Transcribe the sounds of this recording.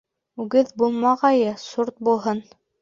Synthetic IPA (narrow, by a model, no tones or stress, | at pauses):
ʉɡɘðbulˠmɑʁɑjɤsuɾt̪̚bulˠɦɤn